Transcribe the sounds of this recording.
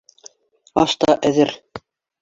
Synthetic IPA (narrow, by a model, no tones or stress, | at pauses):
ɑ̰ʃt̪ɑʔæðɘɾ